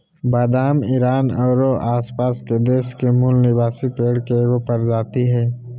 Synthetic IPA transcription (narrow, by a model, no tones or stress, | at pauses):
baːd̪aːmiːɾaːnɔːɾoʔaːspaːsked̪eːskemulnɪbaːsipeːɽkeɡopɐɾd͡ʒaːt̪iɦɛː